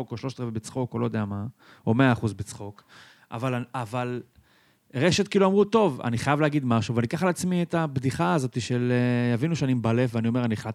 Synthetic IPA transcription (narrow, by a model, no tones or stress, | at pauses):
oko̞ʃlo̞ʃt̪ʁevebet͡sχo̞kolo̞jd̪eama | o̞meaːχuzbet͡sχo̞k | ʔa̰valaaval | ʁe̞ʃet̪kiːluamʁut̪o̞va̰niχajavleaɡid̪maʃuveanikaχalat͡smiet̪abd̪iχaːzo̞t̪iʃelejavinuʃeanimbale̞fveanio̞meanieχlat̪